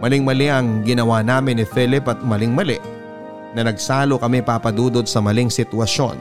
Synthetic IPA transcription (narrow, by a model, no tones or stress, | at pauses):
mɐlɪŋmɐlɛʔɐŋɡɪnɐwanaːmɪnːɪfɛlɪpɐt̪̚mɐlɪŋmɐlɛ | nɐnɐɡ̚saːlokɐmɛpapɐd̪uːd̪od̪̚sɐmɐliŋsɪt̪wɐʃo̞̰n